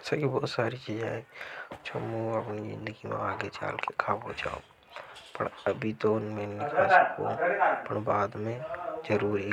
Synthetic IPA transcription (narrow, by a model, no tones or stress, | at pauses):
sakibɔːt̪saːɾit͡ʃiːd͡ʒa̰ːɛt͡ʃʰomuəpnizɪ̰̃nd̪əɡimḛ̃aːɡet͡ʃa̰ːlkekʰaːbod͡ʒa̰ːõ | pə̰ɳɐbʱit̪oʊnmeːnːɪkaskopəɳbaːd̪mẽd͡ʒəɾuːɾi